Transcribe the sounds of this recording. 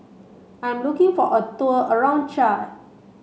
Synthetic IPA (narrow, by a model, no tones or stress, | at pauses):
ãnlukĩŋfɔʔətɔəəɹãʊ̃n̚t͡ʃa